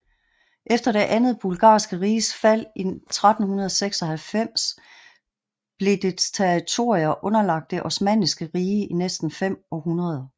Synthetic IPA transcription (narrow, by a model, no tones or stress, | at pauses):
ʔefd̥ɐɾ̥e̝ʔænð̞̩ˠb̥ulɡ̥ɑ̰̈ːsɡ̥əʁiːsfæl̰it͡sʰʁad̥n̩hunɐð̞ˠɒseɡ̥sɒhælfem̰s | b̥le̝d̥e̥t͡sʰeʁit͡sʰo̝ːɐʁiɐʔɔ̽nɐlɑ̈ɡ̥̚d̥e̝ʔɒ̽smɛ̰nisɡ̥əʁiːəʔinesd̥n̩fem̰ɒ̽hɦunɐð̞ˠ